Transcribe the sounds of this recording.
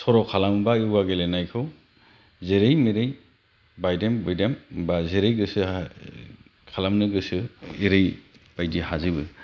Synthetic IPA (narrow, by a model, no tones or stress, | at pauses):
sɔɾɔkʰalambaɯwaɡelenajkʰɯw | zeɾejmiɾɯj | bajdembɯjdembazeɾejɡɯsɯ | kʰalamnɯɡɯsɯiɾej | b̥ajdihazɯbɯ